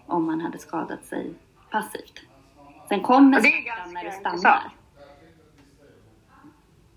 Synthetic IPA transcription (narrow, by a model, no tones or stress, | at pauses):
ʔɔmːanhad̪ːəskɑːd̪a̰t̪sɛ̰j | pʰasːḭːft̪ | sɛnkʰɔmːəɡanːaɖɛst̪anːa̰ɾ